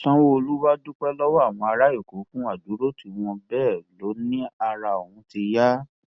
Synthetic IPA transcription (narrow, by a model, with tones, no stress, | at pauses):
sã˦wo˦o˧lu˦wa˦du˦k͡pɛ˦lɔ˦wɔ˦a˦˨w̃ɔ̃˧a˧ɾa˦je˦˨ko˨˦fũ˦a˦˨du˨˦ɾo˦tʰi˨˦˨w̃ɔ̃˧bɛː˦˨lo˨˦nĩ˦a˧ɾa˧˨o˨wũ˨˦ti˧ja˦